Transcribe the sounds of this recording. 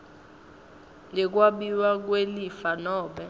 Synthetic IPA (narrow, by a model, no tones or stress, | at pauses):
ŋɛk̬waɓiwak̬welifanɔːɓɛ